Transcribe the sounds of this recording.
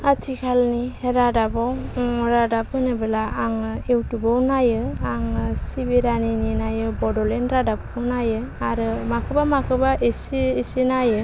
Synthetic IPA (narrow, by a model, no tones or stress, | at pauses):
atʰikʰalniheɾadabawɔɾadap̚ɯnɯbelaaŋewtubawnajɯaŋɯsibeɾanininajɯbɔdɔlenɾadap̚kʰɯnajɯ | aɾɯmakʰɯbamakʰɯbaʔesiesinajɯ